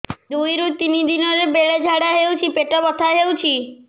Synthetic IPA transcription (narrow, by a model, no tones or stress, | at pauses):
d̪ujɾut̪inid̪inɔɾebeɭed͡ʒʱaɽaɦewt͡ʃʰipeʈɔbɔt̪ʰaɦewt͡ʃʰi